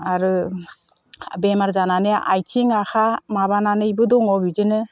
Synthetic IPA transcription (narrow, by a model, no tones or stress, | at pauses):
aɾɯ | bemaɾzananɯʔa̰jtʰiŋaxʰamaβananɯjbɯdɔŋɔbizɯnɯ